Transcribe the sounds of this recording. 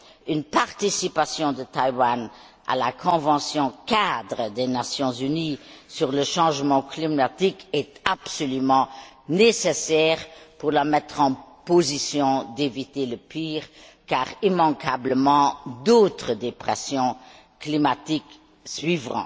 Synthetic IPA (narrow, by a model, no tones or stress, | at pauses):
ynpaʁt̪isipasjɔ̃d̪ət̪ajwan | a̰lakʰɔ̃vɑ̃sjɔ̃kad̪ʁəd̪enasjɔ̃zynisyʁləʃɑ̃ʒmɑ̃klimat̪ikɛt̪apsɔlymɑ̃ | nesesɛːʁpuʁlamɛt̪χɑ̃pozisjɔ̃d̪evit̪eləpiːʁ | kaːʁimɑ̃kʰabləmɑ̃d̪oːt̪χəd̪epχɛsjɔ̃ | klimat̪ik | sɥivʁɑ̰̃